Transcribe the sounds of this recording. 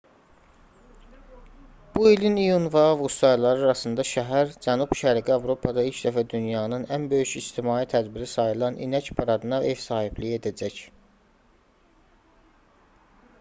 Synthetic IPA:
b̥uilinijunvɑvust̪ɑjlˠɑɾɯɾɑsɯnd̪ɑʃæɦæɾd͡ʒænubʃæɾiɡiɑvɾo̞pʰɑd̪ɑilcd̪æfæd̪ynjɑːnɯnænbø̞jyʃist̪ʰimɑːit̪ʰæd̪biɾisɑjɯlˠɑnʔḭnæcpʰɑɾɑd̪ɯnɑe̞vsɑːhiblije̞d̪æd͡ʒæc

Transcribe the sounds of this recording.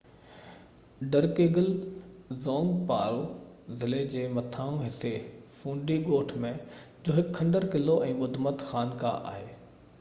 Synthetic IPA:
ɖəɾkeːɡəlzɔ̃ːŋɡpaːɾozɪled͡ʑeːmɐt̪ʰaːũɦɪsefũːɳɖiɡoːʈʰmẽ | d͡ʑoːɦɪkʰːɐ̃ɳɖəɾkɪloʔɛ̃ːɓʊd̪ʱmət̪xaːnkã̰ʔa̰ːɦeː

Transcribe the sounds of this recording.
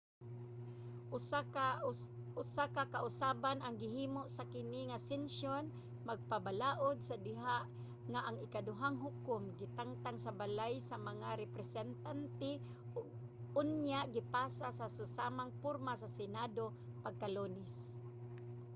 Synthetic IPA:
ʊsakakaʔʊsaːbanaŋɡɪɦiːmoʔsakɪnɪŋasɛnʃon | maɡ̚pabalaːʔod̪̚sad̪ɪɦaʔ | ŋaʔaŋɪkadʊɦaŋɦʊkʊmɡɪt̪aŋt̪aŋsabalajsamaŋaɾɛpɾɛsɛnt̪ant̪ɛ | ʊɡ̚ | ʊnjaʔɡɪpaːsasasʊsamaŋpʊɾmasasɛnad̪o | paɡ̚kalonɪs

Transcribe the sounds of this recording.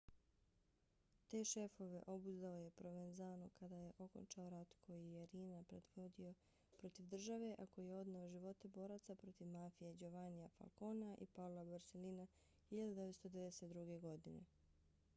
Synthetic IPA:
t̪e̞ːʃe̞fo̞ʋe̞̰ʔo̞buzd̪aoje̞pɾo̞ʋenzaːnokad̪aje̞ʔo̞ko̰nt͡ʃaoɾat̪kʰo̞jijeɾiːnapɾed̪ʋod̪io̞ | pɾo̞t̪iʋd̪r̩ʒaʋe̞ʔako̞jijeo̞d̪naoʒiʋo̞t̪e̞bo̞ːɾat̪sapɾo̞t̪iʋmafijed͡ʒo̞ʋanijafa̰lˠko̞ːnaʔḭpaulabaɾselina | xiʎad̪ud̪e̞ʋet̪st̪o̞d̪eed̪eset̪d̪ɾuɡe̞ɡo̞d̪ine̞̰

